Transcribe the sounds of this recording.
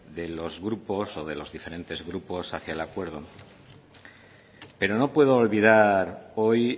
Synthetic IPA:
ðe̞lo̞zɣɾupo̞so̞ð̞e̞lo̞zðife̞ɾẽ̞nt̪e̞zɣɾupo̞saθjaelakwe̞ɾð̞o̞ | pe̞ɾo̞no̞pwe̞ð̞oːlβiðaɾo̞j

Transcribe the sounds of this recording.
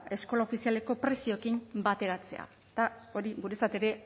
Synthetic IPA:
e̞sko̞lao̞fisiale̞ko̞pɾe̞sio̞ekimbat̪e̞ɾat͡se̞̰a̰ | t̪ao̞ɾiɣuɾe̞sat̪e̞ɾe̞

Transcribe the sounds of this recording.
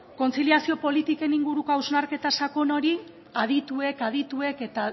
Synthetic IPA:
ko̞nt͡siliasio̞po̞lit̪ike̞niŋɡuɾukoawznaɾke̞t̪asakono̞ɾi | aðit̪ue̞kaðit̪ue̞ke̞t̪a

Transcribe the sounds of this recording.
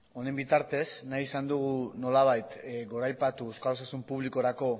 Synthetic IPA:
o̞ne̞mbit̪aɾt̪e̞snajisand̪uɣuno̞laβ̞ajt̪ɡo̞ɾajpat̪uewskalosasumpuβliko̞ɾako̞

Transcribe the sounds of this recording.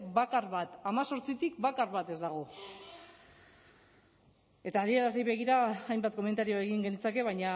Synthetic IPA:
bakarβat̪amaso̞ɾt͡sit̪ikbakarβat̪e̞zd̪aɣ̞o̞ | e̞t̪aːðie̞ɾazðejβe̞ɣiɾaːjmbat̪ko̞me̞nt̪aɾio̞eɣiŋɡe̞nit͡sake̞β̞ajɲa

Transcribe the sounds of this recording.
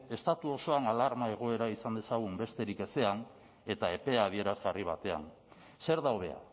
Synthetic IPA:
e̞st̪at̪uo̞so̞analaɾmae̞ɣ̞o̞e̞ɾaisand̪e̞saɣ̞umbe̞st̪e̞ɾike̞se̞an | e̞t̪ae̞pe̞að̞ie̞ɾazɣariβ̞at̪e̞a̰n | se̞ɾðawðe̞a̰

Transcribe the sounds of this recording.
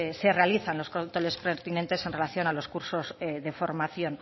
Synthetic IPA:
se̞re̞aliθanlo̞skont̪ole̞spɾeɾt̪inent̪e̞se̞nre̞laθjonalo̞skuɾso̞zðefo̞ɾmaθjo̞n

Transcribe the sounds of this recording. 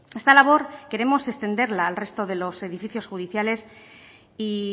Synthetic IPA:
e̞st̪alaβ̞o̞ɾke̞ɾe̞mo̞se̞st̪e̞nd̪e̞ɾlaːlre̞st̪o̞ð̞e̞lo̞se̞ðifiθjo̞sxuðiθjale̞s | i

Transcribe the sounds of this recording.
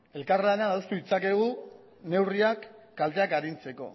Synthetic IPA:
e̞lkarlaenaaðust̪uit͡sake̞ɣ̞u | ne̞wriakː | alt̪e̞akaɾint͡se̞ko̞̰

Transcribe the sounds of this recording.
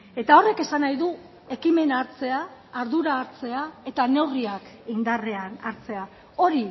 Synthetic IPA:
e̞t̪ao̞re̞ke̞sanajðu | e̞kime̞naɾt͡se̞aːɾðuɾaːɾt͡se̞ae̞t̪ane̞wɣɾiakind̪are̞anaɾt͡se̞a | o̞ɾi

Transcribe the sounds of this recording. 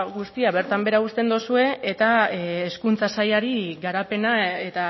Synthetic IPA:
ɣust̪iaβe̞ɾt̪ambe̞ɾaust̪e̞nd̪osue̞et̪aeːskunt͡sasajaɾiɣaɾape̞nae̞t̪a

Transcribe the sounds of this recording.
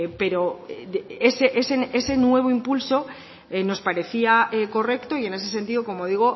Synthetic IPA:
pe̞ɾo̞ | eseʔesee̞se̞nwe̞β̞o̞impulso̞ | eno̞spaɾe̞θiaeko̞re̞kt̪o̞ie̞ne̞s̬e̞s̬e̞nt̪iðo̞ko̞mo̞ð̞iɣ̞o̞

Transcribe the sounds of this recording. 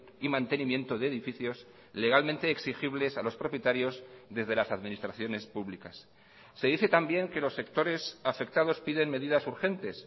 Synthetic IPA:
imãnt̪e̞nimjẽ̞nt̪o̞ðe̞ːðifiθjo̞s | le̞ɣalmẽnt̪e̞ːksixiβle̞salo̞spɾo̞pjet̪aɾjo̞zðe̞zð̞e̞lasaðmĩnist̪ɾaθjo̞ne̞spuβlikasː | e̞ðiθe̞t̪ambje̞ŋke̞lo̞sːe̞kt̪o̞ɾe̞safe̞k̚t̪að̞o̞spiðe̞nme̞ðiðasuɾxe̞nt̪e̞s

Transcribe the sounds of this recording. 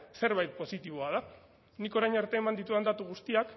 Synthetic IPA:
se̞ɾβajt̪̚po̞sit̪iβ̞oað̞a | niko̞ɾajnaɾt̪e̞ːmand̪it̪uand̪at̪uɣ̞ust̪iak

